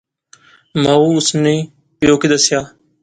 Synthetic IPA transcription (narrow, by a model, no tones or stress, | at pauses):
maːuːʊsnẽː | pjoːkid̪əsɪjaː